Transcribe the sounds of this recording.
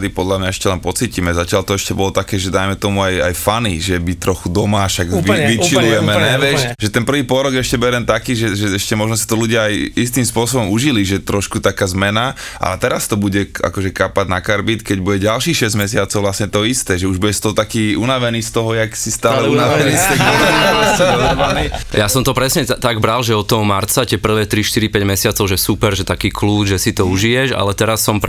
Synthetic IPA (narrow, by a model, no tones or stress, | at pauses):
d̪ipɔd̪lamɲaɛʃcɛlɛnpɔt͡siːcimɛzacɪalt̪ɔɛʃcɛbɔlɔt̪akɛːʒɛd̪ajmɛt̪ɔmuajajfaniʒɛbit̪ɾɔxud̪ɔmaʃaɡʋiʋit͡ʃilujɛmɛnɛʋɛʃʒɛt̪ɛnpr̩ʋiːpɔɾɔɡjɛɛʃcɛbɛɾɛnt̪akiːʒɛʒɛɛʃcɛmɔʒnɔsi̥t̪ɔluɟɪaajist̪imspʊɔsɔbɔmuʒiliʒɛt̪ɾɔʃkut̪akaːzmɛnaʔa̰lɛt̪ɛɾast̪ɔbuɟɛa̰kɔʒɛkapaɟnakaɾbit̪kɛɟbuɟɛɟalʃixʃɛzɟmɛs̬ɪat͡sɔʊʋlasɲɛt̪ɔist̪ɛʒɛuʒbuɟɛst̪ɔɦɔt̪akiːunaʋɛniːst̪ɔɦɔjaksist̪aːlɛɛunaʋɛnisɛɔasɔɔmanijasɔmt̪ɔpɾɛsɲɛt̪aɡbɾalʒɛɔt̪ɔɦɔmaɾt͡satɪɛpr̩ʋɛt̪ɾiʃt̪iɾipɛɟmɛsɪat͡sɔʊʒɛsupɛɾʒɛt̪akiːkʰluːd͡ʒʒɛsit̪ɔuʒijɛʒa̰lɛt̪ɛɾasːɔmp